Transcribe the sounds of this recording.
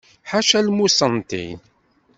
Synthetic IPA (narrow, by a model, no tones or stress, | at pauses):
ħaʃælmusənt̪ḭn